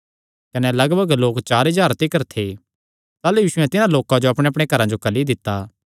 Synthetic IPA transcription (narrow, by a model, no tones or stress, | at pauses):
kɐnɛlɐɡbəɡloːkt͡ʃaːɾɪd͡ʒaːɾt̪ɪkəɾt̪ʰe | t̪aːlujiːʃʊɛ̃t̪ɪnãloːkãd͡ʒoɐpɽ̃ẽɐp̬ɽ̃ekɐɾãd͡ʒokɐlid̪ɪt̪ːaː